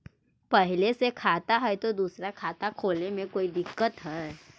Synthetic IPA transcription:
pəɦɪlesekʰat̪aɦɛjt̪od̪uːsɾakʰat̪akʰoːlnemẽkoːid̪ɪkːət̪ɦɛe

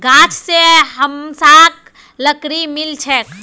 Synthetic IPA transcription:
ɡãːt͡ʃʰseɦəmsaːk | ləkɾimɪlt͡ʃʰɛk

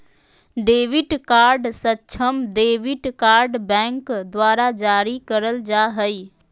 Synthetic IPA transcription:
ɖeːʋɪʈkaːɾɖsətːʃʰəmɖeːʋɪʈkaːɾɖbɛ̃ːŋkd̪waːɾad͡ʒaːɾikəɾəld͡ʒaːɦəi

